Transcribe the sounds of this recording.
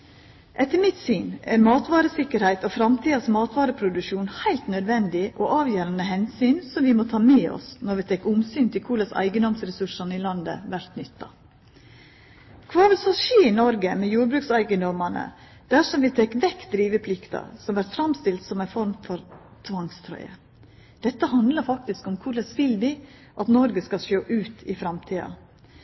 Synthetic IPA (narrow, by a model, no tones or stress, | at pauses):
ʔɛt̪ːəmɪt̪syːnæ̰ɾmɑːt̪ʋɑːɾəsɪkːəɾhæɪt̪oːfɾɑmt̪ʰiːɑsmɑːt̪ʋɑːɾəpʰɾʊd̪ʉʃuːnhæɪlt̪nœd̪ʋɛnd̪ɪʔoʔɑːʋjøːɾɑnəɦɛnsyːnsɔmʋɪmot̪ʰɑːmeːɔ̰snɔɾʋɪt̪ʰɛkːʊmsyːnt̪ʰɪlkʰulɑsæ̰ɪɡənd̪ɔmsɾɛsʉʂɑnəɪːlɑnd̪ə̰ʋæɾt̪nʏt̪ːɑ̰ | kʰʋɑːʋɪlsɔʃeːɪnɔɾɡəmɛjuːɾbɾʉːksæɪɡənd̪ɔmɑnə̰ | d̪̥æʂɔmʋɪt̪ʰɛkːʋɛkt̪̚d̪ɾiːʋəpʰlɪkt̪ɑ̰sɔmʋæɾt̪fɾɑmst̪ɪlt̪sɔmæɪfɔɾmfɔɾt̪ʰʋɑŋst̪ʰɾœ̰ʏə̰ | d̪̥ɛt̪ːəhɑnd̪lɑɾfɑk̚t̪ɪskɔmkʰuːlɑsʋɪlʋɪ | ʔɑt̪nɔɾɡəskɑlʃøːʔʉːt̪ʰɪfɾɑmt̪ʰiːɑ̰